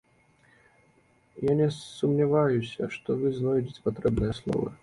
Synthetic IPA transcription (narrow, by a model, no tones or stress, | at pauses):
janʲɛsumnʲɪvajusʲɐ̰ʂt̪ɔvɨznɔjdʲɪt͡sʲpat̪ɾɛbnɨjəslˠɔ̰vɐ̰